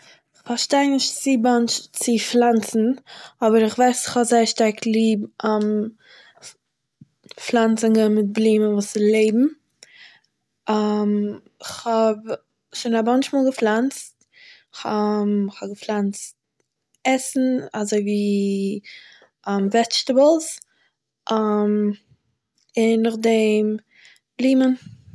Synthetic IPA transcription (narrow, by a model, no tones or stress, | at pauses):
ɪχfaɾʃtaɪnɪʃtt͡sɪbant͡ʃt͡sɪflˠant͡sn̩ɔbəɾɪχvaɪsɪχhɔzaɪəɾʃtaɾklˠiːbam | flˠant͡sɪŋɡəmɪt̚bliːmənvuːsɪlˠeɪbm̩ | am | ɪχhɔb | ʃoːnabɔnʃmɔːlˠɡəflˠant͡st | ɪχamχɔbɡəflˠant͡st̚ | ɛsn̩azoɪviː | amvɛt͡ʃtəbəlˠs | ʔam | ɪnːʊχdɛm | b̥liːmən